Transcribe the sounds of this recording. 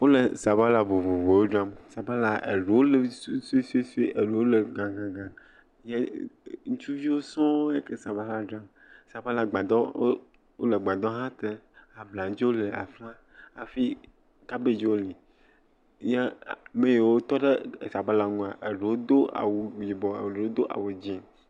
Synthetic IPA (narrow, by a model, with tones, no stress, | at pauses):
wo˦le˨sa˨ba˦la˨vo˨vo˨vo˨wo˦ɖa˦msa˨ba˦la˨ḛ˨ɖe˨wo˦le˨˦sse˦se˦se˦ʔe˨ɖe˨wo˦le˨ɡã˨ɡã˨ɡã˨ | je˦ŋũ˦t͡ʃu˦vi˦wo˦sɔ̃˦wo˦e˦ke˦sa˨ba˦la˦ɖa˦m | sa˨ba˦la˨ɡ͡ba˨d̪ɔ̰˦ | wo̰˦le˨ɡ͡ba˨d̪ɔ̃˦ɦã˦t̪e˦a˨bla˨˦d͡ʒe˦wo˦le˨a̰˨fla˦ | a̰˨fi˦ | ka˦be˦d͡ʒe˦wo˦li˨ | je˦˨mẽ˦je˨wo˦t̪ɔ˦ɖe˦˨sa˨ba˦la˨ŋũ˦a˨ʔe˨ɖe˨wo˦d̪o˦a̰˨wu˨d͡ʒi˨bɔ˨e˨ɖe˨wo˦d̪o˦ʔa̰˨wu˨d͡ʑĩ˦